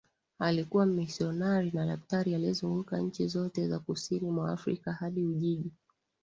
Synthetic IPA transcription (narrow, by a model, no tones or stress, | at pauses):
alikuwamisiɔnaɾinaɗaftaɾialiɛzuŋɡukaɲ̩t͡ʃizɔtɛza̰kusinimwa̰ːfɾikahaɗiuʄiʄi